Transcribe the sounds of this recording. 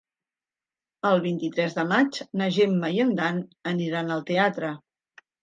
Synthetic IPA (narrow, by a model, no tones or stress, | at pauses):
əlˠβint̪it̪ɾɛzðəmat͡ʃnəʒemːəiənd̪anəniɾanəlˠt̪eat̪ɾə